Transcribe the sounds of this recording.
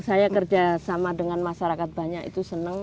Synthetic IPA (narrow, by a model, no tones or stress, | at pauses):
sajakərd͡ʒasamadəŋanmaʃaɾakat̪̚baɲakḭt̪usənəŋ